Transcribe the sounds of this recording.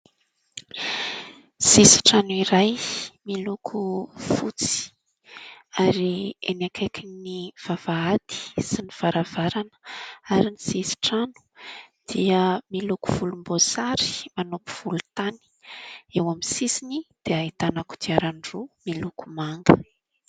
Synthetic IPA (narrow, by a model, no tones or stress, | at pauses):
sisi̥ʈ͡ʂanuiɾajmilukʰufut͡si̥ | aɾienakʰajkʰiniv̥avaad̪i̥siniv̥aɾavaɾanə̥aɾinisisi̥ʈ͡ʂanu̥d̪̥iəmiluku̥v̥ulumbosaɾi̥manopu̥v̥ulut̪ani̥ewamisisinid̪̥eait̪anaku̥d̪iaɾaɳɖ͡ʐumilukumaŋɡə